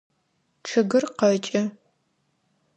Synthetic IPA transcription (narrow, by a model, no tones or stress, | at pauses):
ʈ͡ʂʰɨɡɨrqɐt͡ʃʼɐ